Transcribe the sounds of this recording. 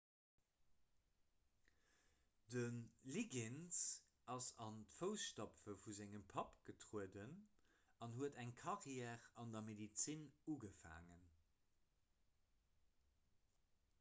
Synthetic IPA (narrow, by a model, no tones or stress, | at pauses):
d̥ənliɡɛns | ɑsɑntfəʊsʃtɑpfəfuzæŋəmpʰɑpɡ̥ətʁuədən | ɑnɦuədæŋkʰɑʁjɛːʁɑndɐmedit͡sinuːɡəfa̰ːŋən